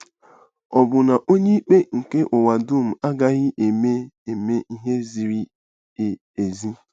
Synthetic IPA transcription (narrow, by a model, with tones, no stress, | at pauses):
ɔ˨bʊ˨na˨ʔo˦ɲe˦i˦k͡pe˦ŋ̩˨ke˦ʔʊ˨wa˨dʊ˦m̩˨a˦ɡa˦ɣɪ˦ʔe˨me˦e˨me˦ʔi˦ɦe˦zi˨ɾi˦˨ | e˨zi˦